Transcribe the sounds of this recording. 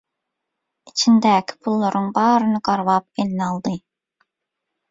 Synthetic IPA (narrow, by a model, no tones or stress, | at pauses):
it͡ʃʰind̪ɛkʲʰpʰulˠːɨɾɨŋbɑːɾɨnɨɡɑɾwɑp̚elɪnɑlˠd̪ɨ